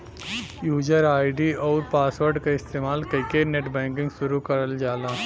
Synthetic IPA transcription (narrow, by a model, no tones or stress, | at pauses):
juːd͡ʒəɾaːɪɖiɔːɾpaːsʋəɾɖkaɪst̪eːmaːlkɐɪkeneʈbɛ̃ːŋkɪ̃ŋɡʃʊɾukɐɾəld͡ʒaːlaː